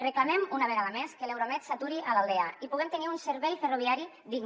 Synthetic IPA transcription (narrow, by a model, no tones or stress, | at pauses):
reklamemunaβeɾaðameskelewɾoamɛt̪sat̪uɾiʔalalˠd̪eaipuɣɛmt̪eniunseɾβɛjferuβiaɾi | ðiɡ